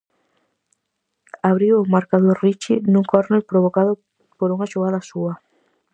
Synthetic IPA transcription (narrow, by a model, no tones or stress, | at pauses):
aβɾiwomaɾkaðoɾrit͡ʃinũŋkoɾnepɾoβokaðʊ | poɾuŋaʃoɣaðasua